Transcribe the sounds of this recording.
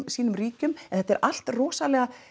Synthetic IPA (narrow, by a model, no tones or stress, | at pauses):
msiːnʏmriːcʏmɛnθɛt̪ːɛɾal̥t̪rɔːsalɛːɣa